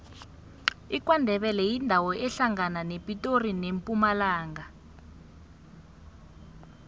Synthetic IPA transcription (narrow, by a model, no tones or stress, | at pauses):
ik̬ʼwandʱɛɓɛlɛjindʱawɔʔɛɬaŋananepʼitʼorinempʼumalaːŋa